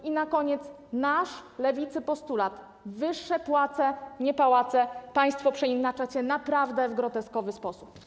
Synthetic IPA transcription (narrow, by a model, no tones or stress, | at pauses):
inakɔɲɛt̪s | naʂlɛvʲit̪sɘpɔst̪ulat̪ | vɘʂːɛpwat̪sɛɲɛpawat̪sɛpaj̃st̪fɔpʂɛinat͡ʂat͡ɕɛnapɾavd̪ɛvɡɾɔt̪ɛskɔvɘspɔsup